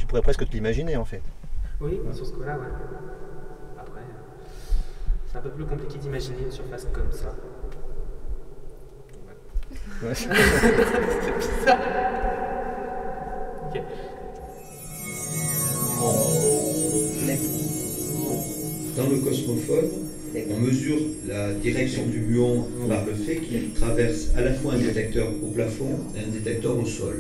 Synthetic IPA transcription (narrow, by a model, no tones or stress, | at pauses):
t̪y̥puʁɛpχɛskət̪əlimaʒineɑ̃fɛt̪wisyʁsə̥kɔlawɛ | apχɛ | sɛ̥t̪ɛ̃pøplykɔ̃plikʲed̪imaʒinensyʁfaskɔmsa | wɛ | wɛs | sɛsa | d̪ɑ̃ləkɔsmɔfɔd̪ | ɔ̃məzyʁlad̪iʁɛksjɔ̃d̪ymyɑ̃paʁləfɛkʰilt̪χavɛʁsa̰lafwaɛ̃d̪et̪ɛk̚t̪œʁoplafɔ̃eɛ̃d̪et̪ɛk̚t̪œʁosɔ̰l